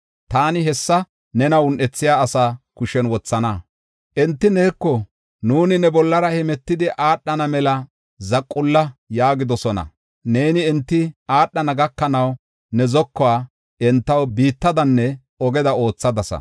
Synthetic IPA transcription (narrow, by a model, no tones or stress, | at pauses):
t̪aːnɪɦɛsːɐ | nɛnɐwʊnʔɛt͡sːɪjaːsaːkʊʃɛnwɔt͡sːɐna | ʔɛnt̪ːɪneːkːɔ | nuːnɪnɛbɔlːɐɾɐhɛmɛt̪ːɪd̪ɪʔaːɗːɐnɐmɛlɐ | zɐkʼːʊlːɐjaːɡɪd̪ɔsɔnɐ̰ | ne̞ːnɪɛnt̪ːɪʔaːɗːɐnɐɡɐkːɐnɐw | nɛzɔkːɔaː | ʔɛnt̪ːɐwbiːt̪ːɐd̪ɐnːɛ | ɔɡɛd̪ɐo̞ːt͡sːɐd̪ɐsɐ̰